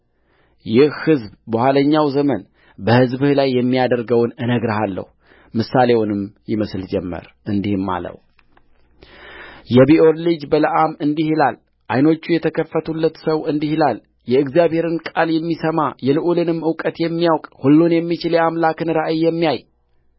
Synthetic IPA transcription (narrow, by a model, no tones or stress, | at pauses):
jɪhhɨzbbəhʷaləɲːawzəmən | bəhɨzbɨhlajːɛmːijad̪əɾɡəwnɨnəɡɾɨɦalːə̰hu | mɨsale̞wunɨmjɪməsld͡ʒɛmːə̰ɾʔɨnd̪ihɨmːa̰lə̰w | jɛbiʔoɾlɨd͡ʒbələʔamɨnd̪ihilal | ʔajno̞t͡ʃːujɛt̪ʰəkʰəfːət̪ʰulːət̪səwɨnd̪ihilal | jɛɨɡzjabhe̞ɾɨnkʼaljɛmːisəmajɛlɨʔulɨnɨmɨwkʼət̪jɛmːijawkʼhulːunjɛmːit͡ʃɪljɛamlakɨnɾaʔɨjːɛmːijaj